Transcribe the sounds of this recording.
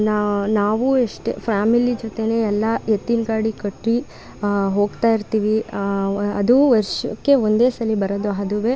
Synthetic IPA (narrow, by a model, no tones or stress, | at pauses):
nanaːʋueʂʈḛpʰɾaːmilid͡ʒot̪e̞ne̞ːɛlːɐjet̪ːinɡaːɽikɐʈɾi | ɦoːɡt̪aːjiɾt̪iːʋi | ɐd̪uʋɐɾʃɐ̰kːe̞ond̪e̞ːsɐlibɐɾod̪uaɐd̪uʋeː